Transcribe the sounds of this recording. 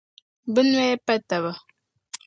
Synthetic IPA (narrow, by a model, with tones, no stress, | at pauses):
bə˦n˦e˦pɛ˦tə˨bə˨